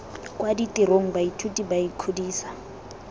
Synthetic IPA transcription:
kwaditʼiɾoŋ̩baitʰutʼibaikʰudiːsḁ

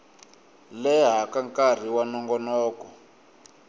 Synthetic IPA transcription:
lɛɦakaŋkar̤iwanɔŋɡɔnɔːkɔ

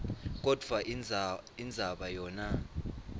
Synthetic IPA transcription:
k̬ʼɔd̥ʱva | ind͡zʱaɓajɔːna

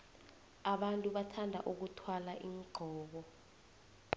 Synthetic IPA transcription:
aɓantʼuɓatʰandʱa̰ʔuk̬utʰwalaʔiːŋɡ͡ǃʱɔːɓɔ

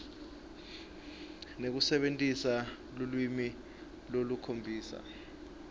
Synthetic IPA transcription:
nek̬usɛɓentʼisa | lulwimi | lolukʰombʱiːsa̰

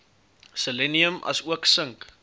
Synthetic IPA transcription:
səleniəmɐ̰suəksəŋk

